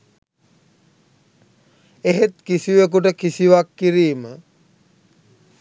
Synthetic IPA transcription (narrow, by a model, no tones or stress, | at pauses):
eɦet̪kisiʋekuʈ̬əkisiʋakːiɾiːmə